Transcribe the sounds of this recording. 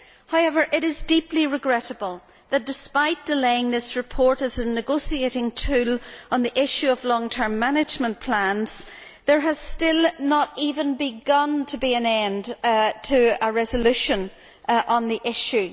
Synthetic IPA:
haʊɛvə˞ʔɪɾɪzdipliɹɨɡɹɛɾəbəlˠ | ðət̚d̥ɪspaɪt̚d̥ɪleɪɪ̃ŋðɪsɹɨpʰɔɹɾɨzənɨɡosieɪɾɪ̃ŋtʰʉlə̃nðiʔɪʃʉəvlɔ̃ŋtʰɜ̃˞mːanɪd͡ʒmə̃npʰl̥ãnz̥ | ðə˞əz̥stɪlˠnəɾivə̃nbɪɡʌ̃ntʰəbiɨ̃nɛ̃ndtʰəəɹɛzəlʉʃə̃n | ʔə̃nðiʔɪʃʉ

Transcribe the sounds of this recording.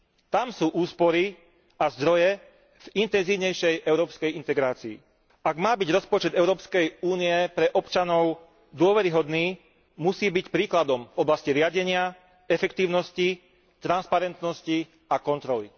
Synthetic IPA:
t̪amsuːʔuːspɔɾi | azd̪ɾɔjɛ | v̥int̪ɛnziːʊɲɛjʃɛjʔɛʊɾɔːpskɛjint̪ɛɡɾaːt͡sḭː | aɡmaːbiɟɾɔspɔt͡ʃɛd̪ɛʊɾɔːpskɛjuːniɛpɾɛʔɔpt͡ʃanɔʊ | d̪ʊɔʋɛɾiɦɔd̪niː | musiːbicpɾiːklad̪ɔmvɔblasciɾɪaɟɛɲɪa | ɛfɛkt̪iːʊnɔsci | t̪ɾanspaɾɛnt̪nɔsci | akɔnt̪ɾɔlḭ

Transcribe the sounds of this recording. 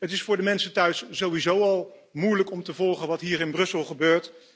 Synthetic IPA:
ɦətɪsfʊːɹdəmɛnsətœɥszowizowɑlˠ | mujləkɔmtəvɔlˠχənʋɑtɦiːɹɪnbrɵsəlˠχəbøːɹt

